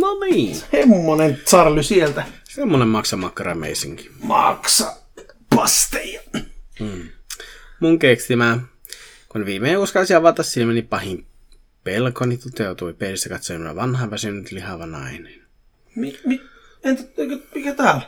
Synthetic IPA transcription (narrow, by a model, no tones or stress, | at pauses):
noniːhemːonensɑrlysielt̪æsemːonemmɑksɑmɑkːɑrɑmḛisiŋki̥mɑ̰ksɑ | pɑst̪ejɑ | muŋkekst̪imæ | kuneʋiːmeiuskɑlsiɑʋɑt̪ːɑsːilmenipɑhim | pelkonit̪ut̪eut̪uipelist̪ækɑt̪soimnæ̰ʋɑnhɑʋæsynyt̪lihɑʋɑnɑ̰inen | mimient̪eikømikæt̪æːl